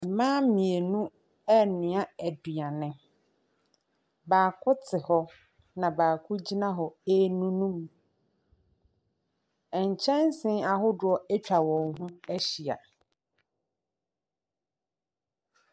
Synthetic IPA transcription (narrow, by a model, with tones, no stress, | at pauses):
mãː˦mĩ˨e˨nũ˦ | ɛ˦nɪ̃˨a˦æ˨du˨a˨nɪ̃˨ | baː˨kʰʊ˦tʰɪ˨hɔ˦ | nã˨baː˨kʰʊ˦d͡ʑi˦nã˦ɦɔ˨e˦nũ˦nũ˦m | ɛ˨ɲ˨t͡ɕʰɛ̃˦nsɪ̃˦a˨ɦʊ˦dʊ˨˦ɔ˦ɛ˦t͡ɕᶣa˨wɔ̃˨ŋɦũ˦æ˦ɕi˨a̰˨